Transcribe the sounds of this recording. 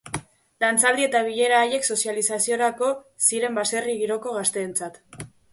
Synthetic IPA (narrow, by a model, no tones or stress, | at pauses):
lant͡sald̪ie̞t̪aβ̞iʎe̞ɾaːʎe̞kso̞sjalisasio̞ɾako̞siɾe̞mbase̞riɣiɾo̞ko̞ɣ̞ast̪e̞ːnt͡sat̪